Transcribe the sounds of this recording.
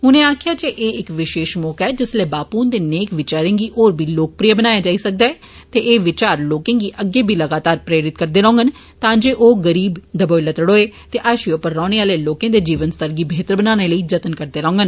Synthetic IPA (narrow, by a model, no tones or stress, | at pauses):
ɦʊnẽːaːkʰjaːd͡ʒeʔeːɪkʋɪʃeːʃmɔːkɛːd͡ʒɪsleːbaːpuːnd̪eːneːkʋɪt͡ʃaːɾẽːɡiːʔoːɾbʱiːloːk̚pɾijəbənaːjaːd͡ʒaːiːsək̚d̪aːɛː | t̪eːʔeːʋɪt͡ʃaːɾloːkẽːɡiːʔəɡːeːbʱiːləɡaːt̪aːɾpɾeːɾɪt̪̚kəɾd̪eːɾõːŋɡən | t̪ãːd͡ʒeːʔoːɡəɾiːbd̪əboːilət̪əɽoːeːt̪eːʔaːʃiopːəɾːãːɽ̃eːaːleːloːkẽːd̪eːd͡ʒiːʋənst̪əɾɡiːbʱeːt̪ɾəbənaːñeːləiːd͡ʒət̪ənkəɾd̪eːɾɔ̃ːŋɡən